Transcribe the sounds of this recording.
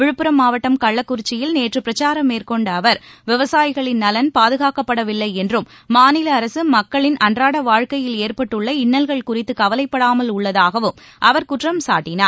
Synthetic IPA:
ʋɪɻɯpːɯɾɐmːaːʋɐʈːɐmkɐɭːɐkːʊɾɪt͡ʃːɪjɪlneːʈrɯpːɾɐt͡ʃaːɾɐmːeːɾkɔɳɖɐʋɐɾʋɪʋɐsaːjɪɣɐɭɪnːɐlɐnpaːðɯɣaːkɐpːɐɽɐʋɪlːɐɪɛndrɯmːaːnɪlɐːɾɐsɯmɐkːɐɭɪnʔɐndraːɽɐʋaːɻkɐjɪleːɾpɐʈːɯɭːɐɪɳːɐlɣɐɭkʊrɪt̪ːɯkɐʋɐlɐɪpːɐɽaːmɐlʊɭːɐðaːɣɐʋɯm | ʔɐʋɐɾkʊʈrɐmsa̰ːʈːɪnaːɾ

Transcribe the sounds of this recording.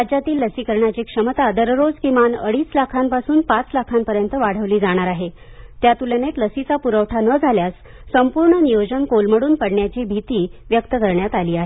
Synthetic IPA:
ad͡ʑjat̪iːlːəsiːkəɾɳjat͡ɕiːkʂəmət̪ad̪əɾɾod͡zkimanəɽiːslakʰampasuːnpat͡slakʰampəɾjənt̪əʋaɽ̤əʋliːd͡zaɽ̃aɾaɦe | t̪jat̪ulənet̪ləsit͡sapuɾəʋʈʰanəd͡zʱaljasː | əmpuɾɳənijod͡ʑənkolməɽuːnpəɽɳjat͡ɕiːbʱit̪iːʋjək̚t̪əkəɾɳjat̪aliːaɦe

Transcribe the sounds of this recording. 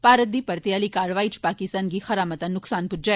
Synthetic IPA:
paːɾət̪̚d̪iːpɐɾt̪jaːlikaːɾʋaːit͡ʃpaːkɪst̪aːnɡixɐɾaːmət̪anʊksaːnpʊd͡ʒa

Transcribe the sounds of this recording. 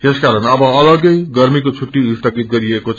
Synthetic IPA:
t̪eskaɾʌnʌbʌːlʌɡʌjɡʌɾmikot͡sʰuʈːiust̪ʰʌɡit̪̚ɡʌɾiekot͡s

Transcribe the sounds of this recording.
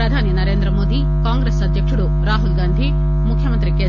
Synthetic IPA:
ɾɐd̪ʱaːninɐɾeːnd̪ɾɐmoːd̪ʱi | kaːŋɡɾeːsɐd̪ʱjɐkʂuɽu | ɾaːɦulɡaːnd̪ʱi | mukʰjɐmɐnt̪ɾikeː

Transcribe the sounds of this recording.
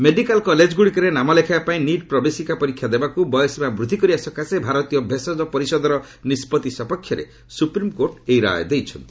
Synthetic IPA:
meɖikalkɔled͡ʒɡuɽikɔɾenamalekʰapaĩniɖ̚pɾɔbesikapɔɾikʰːjad̪ebakubɔjɔsemabɾud̪ʱikɔɾiasɔkʰasebʱaɾɔt̪ijɔbʱesɔd̪ɔpɔɾisɔd̪ɔɾɔ | nispɔt̪isɔpɔkʰːjɔɾḛ | supɾimkoɾʈejɾa̰jɔd̪ejt͡ʃʰɔnt̪i̥

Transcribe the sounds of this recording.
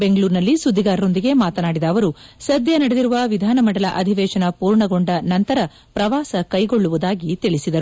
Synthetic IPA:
beŋɡɐɭuːɾnɐlːisud̪ʱːiɡaːɾɐo̞nd̪iɡe̞maːt̪ɐnaːɽid̪ɐːʋɐɾusɐd̪ʱjɐnɐɽed̪iɾuʋɐʋid̪ʱaːnɐmɐɽɐlɐʔɐd̪ʱiʋɛːʃɐnɐpuːɾɳɐɡo̞ɳɖɐnɐnt̪ɐɾɐ | pɾɐʋaːsɐkɐjɡo̞ɭːuʋud̪aːɡit̪iɭisid̪ɐɾu

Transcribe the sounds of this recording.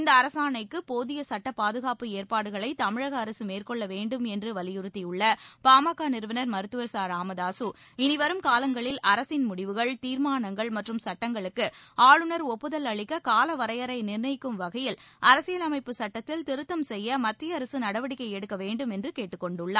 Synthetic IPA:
ɪnd̪ɐːɾɐsaːnɐɪkːɯpoːðɪjɐsɐʈːɐpaːðɯɣaːpɯeːɾpaːɽɯɣɐɭɐɪt̪ɐmɪɻɐɣɐːɾɐsɯmeːrkɔɭːɐʋeːɳɖɯmɛndrɯʋɐlɪjɯɾɯt̪ːijɯɭːɐpaːmɐkːaːnɪɾɯʋɐnɐɾmɐɾɯt̪ːɯʋɐɾsaːɾaːmɐðaːsu | ɪnɪʋɐɾɯmkaːlɐŋɡɐɭɪlʔɐɾɐsɪnmʊɽɪʋɯɣɐɭt̪iːɾmaːnɐŋɡɐɭmɐʈrɯmsɐʈːɐŋɡɐɭɯkːɯaːɭɯnɐɾɔpːɯðɐlɐɭɪkːɐkaːlɐʋɐɾɐjɐɾɐɪnɪrnɐɪkːɯmʋɐɣɐjɪlɐɾɐsɪjɐlɐmɐɪpːɯsɐʈːɐt̪ːɪlt̪ɪɾɯt̪ːɐmsɛjːɐmɐt̪ːɪjɐːɾɐsɯnɐɽɐʋɐɽɪkːɐɪɛɽɯkːɐʋeːɳɖɯmɛndrɯkeːʈːɯkːɔɳɖɯɭːaː

